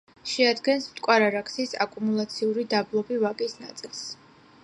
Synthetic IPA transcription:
ʃɛad̪ɡɛnsmt̪ʼkʼwaɾaɾakʰsisa̰kʼumulˠat̪sʰiuɾid̪ablˠɔbivakʼisnat̪sʼilˠs

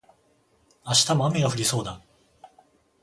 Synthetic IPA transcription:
aɕi̥t̪amoameɡaɸɯ̟ɾʲiso̞ːd̪a

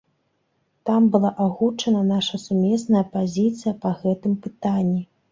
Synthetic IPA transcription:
t̪ambɨlˠaʔaɣut͡ʂɐnɐnaʂɐsumʲɛsnɐjɐpazʲit̪sɨjɐpɐɣɛt̪ɨmpɨt̪anʲːi

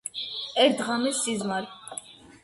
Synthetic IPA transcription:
ɛɾd̪ʁamisizmal

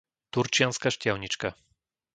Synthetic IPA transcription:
t̪uɾt͡ʃijanskaʃcɛwɲit͡ʂka

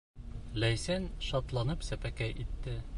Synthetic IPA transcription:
læjsænʃɒt̪lˠɑnɤpsæpækæjʔit̪ːɘ

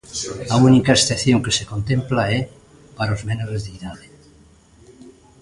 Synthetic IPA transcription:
aunikaesθeθjoŋkesekont̪ẽmplaɛ | paɾaozmenoɾezðiiðaðe

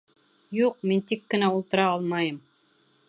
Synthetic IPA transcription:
juq̚mint̪ikːɘ̆næulˠt̪ɤ̆ɾɑɑlˠmɑjɤm

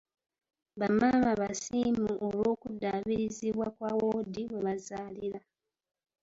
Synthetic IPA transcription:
βamaːmaβasiːmuʔolo̞ːkudːaːβiɾiziβwakwawoːdiwe̞βazaːliɾa

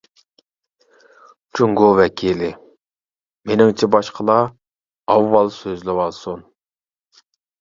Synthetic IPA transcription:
t͡ʃʰuŋɡowɛkʲʰilɪ | menɪŋt͡ʃʰɛbɑʃqʰəlˠɑ | ɑwːɑlˠsøzlɪwɑlˠsun

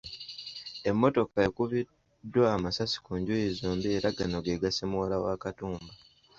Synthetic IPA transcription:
e̞mːo̞to̞kaekuβi | dːwaːmasasi̥kuːɲɟujezoːmbieɾaɡanoɡeɡasemuwalawaːkatuːmba

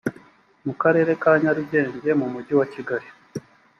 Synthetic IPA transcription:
mukaɾe̞ːɾe̞kaːɲaɾuɟe̞ːɲɟe̞mumuɟiwaciɡaɾi

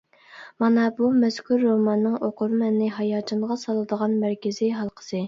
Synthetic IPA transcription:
mɑnɑbumɛskʰʲuɾːomɑnːɨŋoqʰʊɾmɛnːɪɦɑjɑːt͡ʃʰɨnʁɑsɑlˠɨd̪əʁɑnmæɾkʲɪziɦɑlˠqʰə̥sɨ

